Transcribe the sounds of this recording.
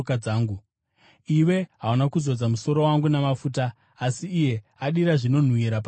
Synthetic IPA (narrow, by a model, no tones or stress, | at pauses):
kad͡zaːŋɡu | iwe̞ɦawanakuzo̞d͡zamuso̞ɾo̞waŋɡunamafuːtaː | siːje̞aɗiɾaʐino̞n̤wiɾap